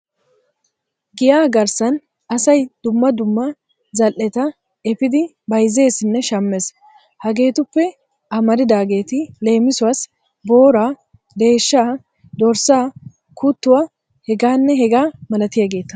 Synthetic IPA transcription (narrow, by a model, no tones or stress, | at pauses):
ɡɪjaːɡɐɾsɐn | ɐsɐjd̪̥ʊmːɐd̪ʊmːɐ | zɐlʔːɛt̪ɐ | ɛfɪd̪ɪ | bɐjze̞ːsɪnːɛʃɐmːes | hɐɡe̞ːt̪ʊpːɛ | ɐmɐɾɪd̪aːɡe̞ːt̪ɪle̞ːmɪsʊwaːs | bo̞ːɾaː | d̪e̞ːʃːaː | d̪ɔɾsaː | kut̪ːʊwa | hɛɡaːnːɛɦɛɡaːmɐlɐt̪ɪjaɡe̞ːt̪ːɐ̥